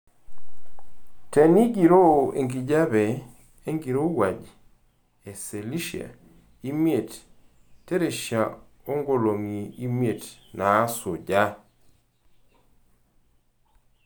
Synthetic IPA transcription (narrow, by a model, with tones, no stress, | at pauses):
tɛ˨ni˦ɡi˨ɾo˦˨ḛ˨ŋɡi˨d͡ʒa˦bɛ˨ | e˦ŋɡi˨ɾo˦wa˨d͡ʒ | e˨se˨li˦ʃi˨a̰˨ | i˦mje˨t | tːe˦ɾe˨ʃja˨ | o˦ŋɡo˨lo˨ŋi˨i˦mje˨tnaː˨˦so˨d͡ʒa˦